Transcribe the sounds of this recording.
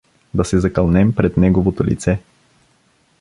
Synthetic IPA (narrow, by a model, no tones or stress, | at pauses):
d̪ɐsɛzɐkɐlˠnɛmpɾɛt̪nɛɡovot̪olḭt̪sɛ